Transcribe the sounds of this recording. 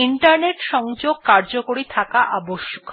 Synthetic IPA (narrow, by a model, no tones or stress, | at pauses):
iɳʈaɾneʈʃɔŋd͡ʑoɡ̚kaɾd͡ʑokoɽit̪ʰakaʔaboʃːokʰ